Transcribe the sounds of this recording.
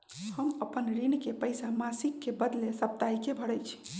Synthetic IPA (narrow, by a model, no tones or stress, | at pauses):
həməpənɾinkepəjsamasikːebəd̪lesəp̚t̪aikebʱəɽəjt͡ʃʰi̥